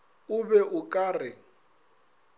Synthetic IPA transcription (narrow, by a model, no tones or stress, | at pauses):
ʊbɛʔʊkʼaːrɪ